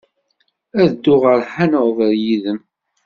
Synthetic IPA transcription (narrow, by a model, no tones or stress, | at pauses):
æðəd̪ːʊʁəɾħanoʁðəɾjiðəm